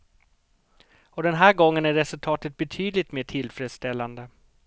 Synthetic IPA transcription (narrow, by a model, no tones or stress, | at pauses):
ɔd̪ɛnɦæːɾɡɔŋːənæɾːɛsɵlt̪ʰɑːt̪ət̪̚bɛt̪ʰyːd̪lɪt̪meːʈʰɪlfɾeːd̪st̪ɛlːand̪ə